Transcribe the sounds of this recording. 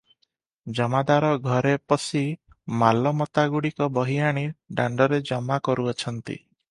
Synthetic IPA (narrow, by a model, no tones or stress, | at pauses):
d͡ʒɔmad̪aɾɔɡʱɔɾepɔsi | malɔmɔt̪aɡuɽikɔbɔɦijaɽ̃iɖaɳɖɔɾed͡ʒɔmakɔɾuɔt͡ʃʰɔnt̪ḭ